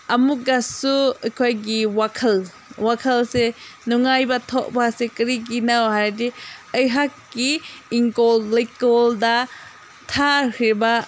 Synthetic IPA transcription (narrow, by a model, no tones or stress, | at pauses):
ɐmuɡasuɐjkʰojɡiwakʰɐl | wakʰɐlsenuŋajbɐtʰɔʔ̚basekɐɾik̬inawɦajɾdiəjɦakːiːŋkolːekɔlda | tʰaɾiba